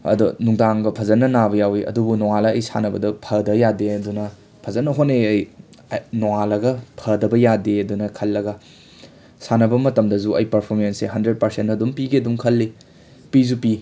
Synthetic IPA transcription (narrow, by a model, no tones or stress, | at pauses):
ɐ̰dunuŋdaŋɡɐpʰɐzɐnːɐnabɐjawiʔɐ̰dubunowalɐɐjsa̰nɐbɐdɐpʰɐdɐjadeɐdunɐ | pʰɐzɐnːɐɦoneɐj | nowalɐɡɐpʰɐdɐbɐjadeɐdunɐkʰɐlːɐɡɐ | sanɐbɐmɐtɐmdɐzuɐ̰jpɐɾpʰoɾmenseɦɐndɾed̚pɐɾsentɐdumpiɡeɐduŋkʰɐlːi | pizupi